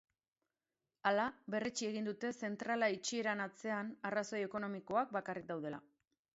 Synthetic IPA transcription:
alabe̞ret͡ʃie̞ɣ̞ind̪ut̪e̞se̞nt̪ɾalait͡ʃie̞ɾanat͡se̞anaraso̞je̞ko̞no̞miko̞ak̚bakarik̚d̪awð̞e̞la̰

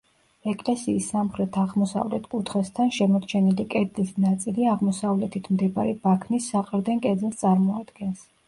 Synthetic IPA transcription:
ɛkʼlɛsiːsːamχɾɛt̪ʰaʁmɔsa̰vlɛ̰t̪ʰkʼut̪ʰχɛst̪ʰanʃɛmɔɾt͡ʃʰɛnilikʼɛɾd̪zisnat̪sʼiliaʁmɔsavlɛt̪ʰit̪ʰmd̪ɛbaɾɛbakʰnisːaqʼɾd̪ɛŋkʼɛd̪zɛlˠst̪sʼaɾmɔad̪̥ɡɛns

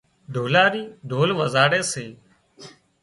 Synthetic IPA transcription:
ɖ̪ʱoːlaːɾiːɖ̪ʱoːlʋəzaːɽeːseː

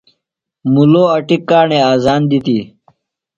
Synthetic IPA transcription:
muloːɐʈikːaːɳeːaːzaːnd̪it̪iː

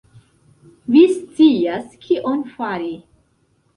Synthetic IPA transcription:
vist͡siaskʰiʔonfaɾi

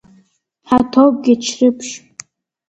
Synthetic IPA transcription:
ħatʰowp̚ɡʲit͡ʃʰrɨpʰʃ

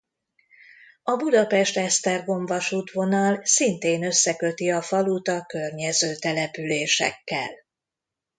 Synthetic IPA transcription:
ɒbud̪ɒpɛʃt̪ɛʃt̪ɛrɡo̞ɱvɒʃuːt̪ʋo̞nɒlsint̪eːnø̞sːɛkøt̪iɒfɒluːt̪ɒkø̞rɲɛzøːt̪ɛlɛpyleːʃɛ̰kːɛ̰l

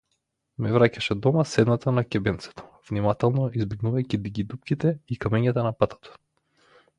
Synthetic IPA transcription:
mɛvɾacaʃɛd̪ɔmasɛd̪nat̪anakʲɛbɛnt̪sɛ̥t̪ɔ̥v̥nimat̪ɛlˠnɔizbɛɡnuvajcid̪iɡid̪up̚kʲit̪ɛikamɛɲat̪anapat̪ḁt̪ḁ

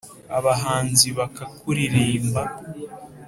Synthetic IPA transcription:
aβaɦaːnziβakakuɾiɾiːmba

